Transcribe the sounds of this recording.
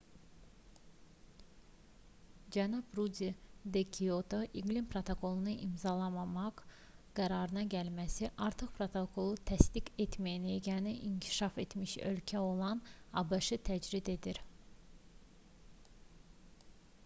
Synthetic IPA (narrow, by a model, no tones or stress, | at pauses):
d͡ʒænubɾud̪id̪ekʰiot̪ʰoʔiɡlimpɾot̪ʰokʰo̞lˠunɯʔimzɑlˠɑmɑmɑq | ɡ̥æɾɑɾɯnɑɟælmæsiʔɑɾt̪ʰɯχpɾot̪ʰokʰo̞lˠut̪ʰæst̪iɡet̪mæjæneɟæniʔiŋcʰi̥ʃɑfe̞t̪miʃø̰lcʰæo̞lˠɑnɑbɯʃɯt̪ʰæd͡ʒɾid̪e̞d̪iɾ